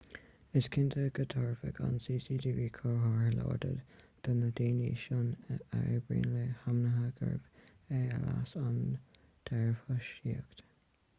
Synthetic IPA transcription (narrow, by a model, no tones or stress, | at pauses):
ɪskʰɪnt̪ʰəɡət̪ʰɑːɹfəɡʰa̰nsiːsiːdiːviːkʰɔɹɦɑɹəlɔ̰ːɹdəd | d̪̥anəd̪iːniʃʊnaɹəbɹḭːnləhamnəɦaɡə̰ɹb̥ | ɛəla̰san | d̪̥ʰɛɹfəʃiəkt̪